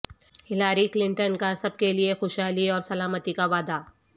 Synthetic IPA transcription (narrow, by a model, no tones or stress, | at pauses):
hɪlaːɾiklɪ̃ɳʈənkasɐb̚keliexoːʃɦaːliɔːɾsɐlaːmət̪ikaʋaːd̪a